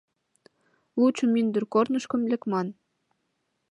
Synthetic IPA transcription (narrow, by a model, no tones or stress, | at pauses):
lˠut͡ɕə̆mynd̪ə̆rkornə̆ʃkə̆mlʲɘ̆kmɑn